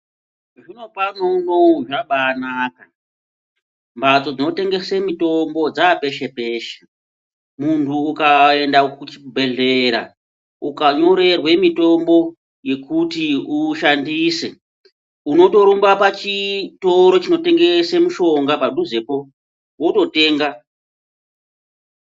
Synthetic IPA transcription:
ʐino̞panonoʐaɓanaːka | mbat͡so̞d͡zino̞te̞ŋɡe̞semito̞mbo̞d͡zape̞ʃe̞pe̞ːʃe̥ | muntʰuːkae̞ndakut͡ʃi̥bʱe̞ɮeɾa̰ | ukaɲo̞ɾe̞rwe̞mito̞mbo̞ | je̞kutiuʃandiːse̞̰ | uno̞to̞ɾombapat͡ʃito̞ɾo̞t͡ʃino̞te̞ŋɡe̞semuʃo̞ŋɡapadʱuzepo̞ | woto̞te̞ːŋɡa

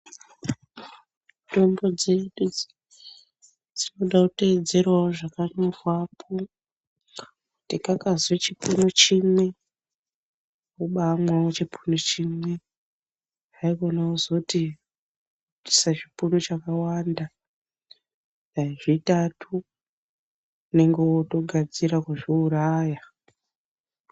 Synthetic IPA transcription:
to̞mbo̞d͡ze̞ɗu | d͡zino̞ɗakute̞ːd͡ze̞rwaoʐakaɲorwapʰo | tikakazwet͡ʃipunot͡ʃimwe̞ | uɓamwaot͡ʃipʰunot͡ʃimwe̞ | aikonaozokuti | ti̥sat͡ʃipunot͡ʃakawaːnda | aʐitatʰu | ne̞ŋɡeoto̞ɡʱad͡ziɾakwuʐiuɾaja

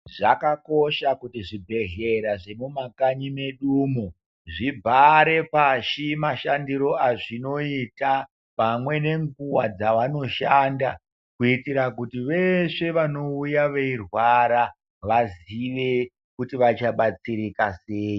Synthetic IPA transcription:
ʐakako̞ʃakutiʐibʱe̞ɦe̞ɾaʐemumakaɲime̞ɗuːmo | ʐibʱaɾe̞paʃimaʃandiɾo̞aʐino̞ita | pamwe̞ne̞ŋɡuwad͡zaʋano̞ʃaːnda | kuitiɾak̬utiʋe̞ʂe̞ʋano̞ujaʋe̞irwaɾa | ʋaziʋe̞ | kutiʋat͡ʃaɓat͡siɾikaseːji

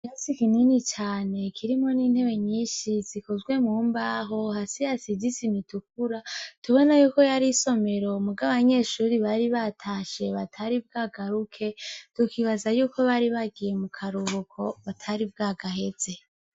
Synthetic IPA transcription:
jasikininit͡ʃaːne̞kʰiɾimo̞niːn̥he̞βe̞ɲiːʃizikozɡwe̞muːmbaːɦo̞hasijasizisimituk̚uɾatuβo̞najuːko̞jaɾiso̞me̞ɾo̞muɡaββaɲe̞ʃuɾiβaɾiβatʰaʃe̞βatʰaɾibɡaːɡaɾukʰe̞tukiβazajuːko̞βaɾiβaɡije̞mukʰaɾuβukʰo̞βatʰaɾib̚ɡaːɡaɦe̞z̥e̞

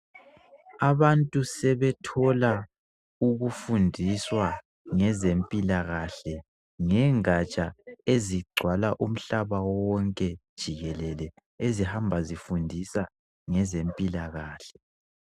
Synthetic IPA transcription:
aβantʼusɛβɛtʰɔla | uɣufundʱiswa | ŋɛzempʼilaɣaɬɛ | ŋɛŋat͡ʃʼaeziɡ͡ǀʱwalaʔum̩ɬaβawɔwɔŋkʼɛd̥ʒ̥ʱiɣɛlɛlɛ | ezihambʱazifundʱisa | ŋɛzempʼilaɣaːɬɛ̥

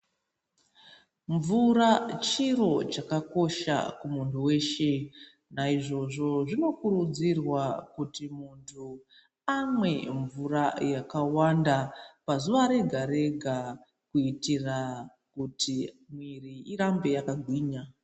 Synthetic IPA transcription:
ɱvurat͡ʃiro̞t͡ʃakako̞ʃa̰kumuntʰuwe̞ːʃe̞ | naiʐo̞ʐo̞ʐino̞kurud͡zirwakutimuntʰu | amwe̞ɱvurajakawandapazuʋaɾe̞ɡʱaɾe̞ɡʱa | kuitira | kutʰimwiriiɾambe̞jakaɡʱwiːɲa

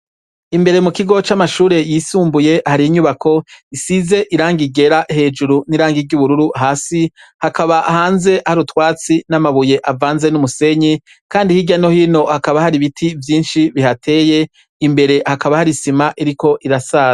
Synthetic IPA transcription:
imbe̞ɾe̞mukiɡo̞t͡ʃamaʃuːɾe̞jiːsuːmbuje̞haɾiiɲuβakʰo̞isize̞ʔiɾaːŋɡiɡe̞ɾahe̞ːd͡ʒuɾuniɾaːŋɡiɾɟuβuɾuɾuɦaːsihakʰaβaʔhaːnze̞ʔhaɾutwaːt͡sinamaβuje̞ʔavaːnze̞numuse̞ɲi | kaːndihiɟano̞hiːno̞hakaβahaɾiβitʰivjiːnʃiβihatʰe̞ːje̞ | imbe̞ɾe̞hakaβahaɾisimaʔiɾiko̞ʔiɾasaː

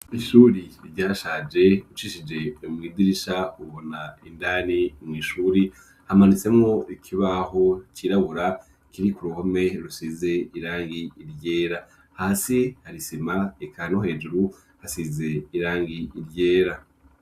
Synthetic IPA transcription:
iʃuːɾiɾɟaːʃaːd͡ʒe̞ut͡ʃiːʃid͡ʒe̞umŋiːdiɾiʃauβo̞naindanimŋiːʃuːɾi | hamanit͡se̞mŋo̞ikʰiβaɦo̞kiɾaβuɾa | kiɾikuɾuhome̞ɾusize̞iɾaːŋɡiːɾɟe̞ːɾa | haːsihaɾisimaekʰanohe̞ːd͡ʒuɾu | hasize̞iɾaːŋɡiːɾɟe̞ːɾa

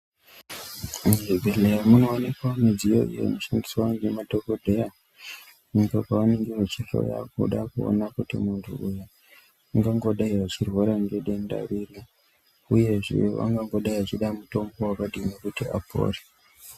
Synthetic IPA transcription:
evʱelejamunoːnekwamid͡zijo̰ḭjo̰noʃandiswaaŋɡematokodʱeja | nikokaʋaneŋɡiwet͡ʃiɬo̰ja̰kṵɗakuo̰nakutḭmuntʰṵuja | aŋɡaŋɡo̞ɗaiʋat͡ʃirwaɾaŋɡeɗe̞nda̰ɾiɾi | uje̞ʐḭo̰ʋa̰ŋɡaŋɡoɗaiʋat͡ʃiɗamuto̞mbo̞wakaɗinekutiapʰo̰ːri

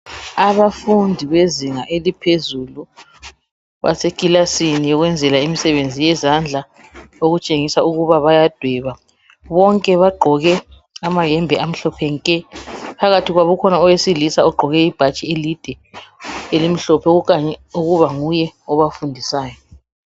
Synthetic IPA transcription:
aβafundʱiβeziŋaʔelipʰezulu | βa̰sekʼilasinijɔɣwɛnd͡zʱɛlaimisɛβend͡zʱijɛzand͡ɮʱa | oɣut͡ʃʼeŋisauɣuβaβajad̥ʱwɛβa | βɔŋkʼɛβaɡ͡ǃʱɔɣɛ | amajɛmbʱɛʔam̩ɬɔpʰɛŋkʼɛpʰaɣatʰiɣwaβɔkʰɔnaɔwesilisaɔɡ͡ǃʱɔɣɛib̥ʱat͡ʃʼielid̥ʱɛ | elimiɬɔpʰɛukaɲɛuɣuβaŋujɛɔβafundʱisaːjɔ

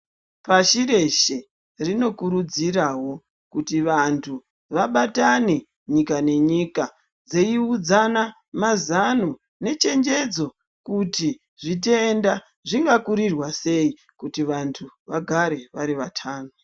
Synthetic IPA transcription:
paʃire̞ʃe | rino̞kuɾud͡ziraɦo̞ | kutiʋantʰu | ʋaɓatane̞ | ɲikane̞ɲiːka | d͡ze̞iud͡zana | mazanu | ne̞t͡ʃe̞ɲd͡ʒe̞d͡zo̞ | kuti | ʐit̬e̞nda | ʐiŋɡakuɾirwase̞i | kutiʋantʰuʋaɡʱaɾe̞ʋaɾiʋatʰaːnu

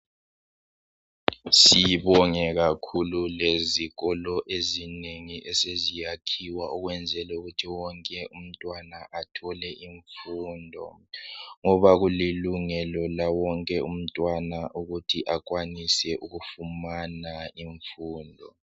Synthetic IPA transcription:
siiβɔŋɛɣakʰululeziɣɔlɔʔezineŋiʔɛsezijakʰiwaɔɣwɛnd͡zʱɛlɛuɣutʰiwɔŋkʼɛʔum̩tʼwanaʔatʰɔlɛʔiɱfuːndʱɔ̰ŋɔβaɣuliluŋɛlɔlawɔŋkʼɛum̩tʼwanaʔuɣutʰiʔak̬ʼwanisɛʔuɣufumanaiɱfuːndʱɔ̰

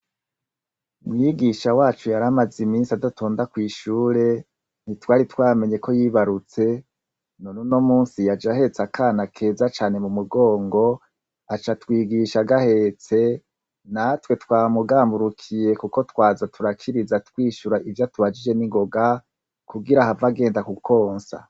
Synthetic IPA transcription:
umŋiɡiʃawaːt͡ʃujaɾamazimiːnsiadatʰo̞ːndakwiːʃuːɾe̞ | nitwaːɾitwaːme̞ɲe̞kʰo̞jiːβaɾut͡se̞ | nonunomuːnsijad͡ʒahe̞t͡sakʰaːnakʰe̞ːzat͡ʃaːne̞mumuɡo̞ːŋɡo̞ | at͡ʃatwiːɡiʃaɡahe̞t͡se̞ | natwe̞twaːmuɡaːmbuɾukʰije̞kuko̞twaːzatuɾakʰiɾizatwiːʃuɾaʔivjatuβad͡ʒid͡ʒe̞niŋɡo̞ɡa | kuɡiɾahavaɡe̞ːndakukʰo̞ːnsa̰

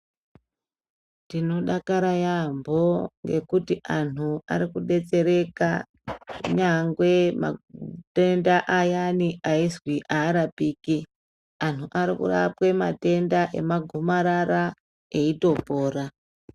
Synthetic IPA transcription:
tino̞ɗakaɾajambo̞ŋɡe̞̰kutiʔanua̰ɾikuɗe̞t͡se̞ɾe̞ka | ɲaŋɡwe̞ma̰te̞ndaʔajaniʔaizwiʔaːɾapiːki | an̤uʔaɾikṵra̰pwe̞mate̞ndaʔe̞̰maɡʱumaɾara | eito̞po̞ːra

